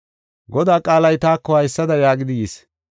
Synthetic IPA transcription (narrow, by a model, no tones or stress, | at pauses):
ɡɔd̪aːkʼaːlɐjt̪aːkːɔhɐjsːɐd̪ɐjaːɡɪd̪ɪjiːs